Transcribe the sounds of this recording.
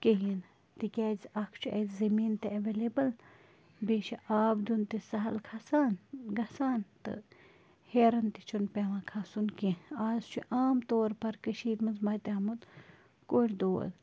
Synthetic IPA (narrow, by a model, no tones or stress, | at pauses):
keɦjin | t̪ikʲɛːzɐkʰt͡ʃʰuʔezzɐmiːnt̪eɐʋelebɨl | beːʃiʔaːbd̪unt̪isɐɦɐlkʰasaːnɡɐsaːnt̪ɨ̰ | heːɾɐnt̪it͡ʃʰunpeʋãːkʰasunkẽaːzt͡ʃʰuʔaːmt̪oːɾpɐɾkəʃiːd̪mɐzmɐːt̪eɐmut̪ | koʈʲd̪oːl